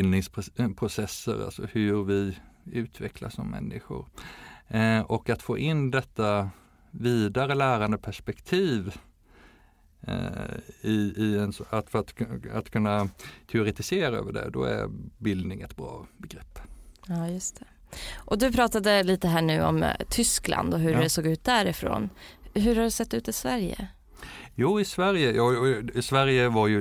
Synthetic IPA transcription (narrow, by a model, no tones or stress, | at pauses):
ɪlnɪŋspʰɾʊsɛsːə̰ɾa̰lsɔhɵɾvɪʉ̟ːt̪ʰvɛkʰlasɔmːɛ̰nːɪɧʊ̰ɾ | ɔkat̪foːʔɪnːd̪ɛt̪ːa | viːd̪aɾəlæːɾand̪əpʰæʂpɛkt̪ʰiːv | ɪɪɛnsat̪fœɾat̪at̪kʰɵnːat̪ʰɛʊɾɛt̪ɪseːɾaø̰ːvəɖɛ̰d̪ɔ̰æ̰ɾbɪld̪nɪŋɛt̪bɾɑ̰ːbɛɡɾɛpːɑjɵst̪ʰɛ̥ | ʔɔd̪ɵpʰɾɑːt̪ad̪əliːt̪əɦæːɳʉ̟ːɔ̰mt̪ʰʏsklʔa̰nd̪ɔɦɵɛsoːɡʉ̟ːt̪̚d̪æɾɪfɾo̰ːnɦɵɾhaɖɵsɛt̪ːʉ̟ːt̪ɪsvæɾjə̰ | juːɪsvæɾjəjɑːɪsvæɾjəvaɾjɵ